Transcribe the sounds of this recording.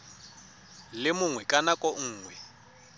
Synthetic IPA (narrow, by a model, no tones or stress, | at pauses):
lɪmʊŋwɛkʼanakʼɔŋ̩ːŋwɛ